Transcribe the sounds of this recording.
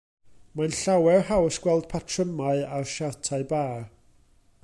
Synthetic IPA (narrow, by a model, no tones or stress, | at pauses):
manɬawɛrɦawsɡ̥wɛlˠd̥̚pʰatʰrəmaɨarʃatʰaɨbaːr